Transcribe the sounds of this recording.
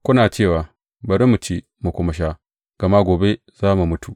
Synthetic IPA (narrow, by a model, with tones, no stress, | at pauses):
kʷʊ˦naː˨t͡ʃeː˦˨waː˨ | bɐ˨ɾi˦mu˨t͡ʃe˦ | mu˨kʷʊ˦mɐ˨ʃ̬a˦ | ɡ̥ɐ˨ma˦ɡʷoː˨be˦ | zaː˦mu˨mʊ˦tu˨ʔ